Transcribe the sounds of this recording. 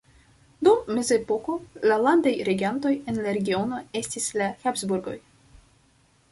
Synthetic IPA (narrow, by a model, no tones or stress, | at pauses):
dumːe̞zepoko̞lalandajɾe̞ɡʲianto̞je̞nlaɾe̞ɡʲio̞no̞e̞stislaxapzbuɾɡo̞̰j